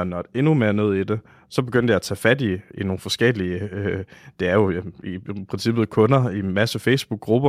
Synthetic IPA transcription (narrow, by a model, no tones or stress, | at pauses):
ɒnɒdee̝nume̝ːɐne̝ð̞̰ˠid̥e̝ | sɒ̽b̥eɡ̥øn̰d̥əjɑ̈ːt͡sʰɛ̰ːfæd̥iino̝ːn̩fɒ̽sɡ̥eliəød̥e̝æɐjo̝ipʰʁɛnsib̥ð̩ˠkʰɔ̽nɐimæsəfeɪsb̥uɡ̥̚ːʁub̥ɐ